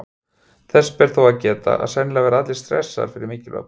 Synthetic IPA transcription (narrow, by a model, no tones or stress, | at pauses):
θɛspɛɾ̥θowaðcɛːt̪a̰ʔa̰ðsɛnːɪlavɛːɾaat̪lɪst̪ɾɛ̰sːa̰ɾ̥fɪɾɪɾmɪːcɪlœ̰